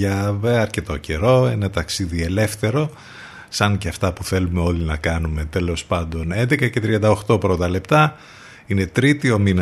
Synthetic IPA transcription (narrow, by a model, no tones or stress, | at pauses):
ɐveɐɾce̞t̪o̞ce̞ɾo̞enet̪ɐksiðie̞le̞fθe̞ɾo̞ | sɐŋceɐft̪ɐpuθe̞lume̞o̞linɐkɐnume̞t̪e̞lo̞spɐnd̪o̞ne̞nd̪e̞kɐce̞t̪ɾiɐnd̪ɐo̞xt̪o̞pɾot̪ɐle̞pt̪ɐ | ine̞t̪ɾit̪io̞minɐ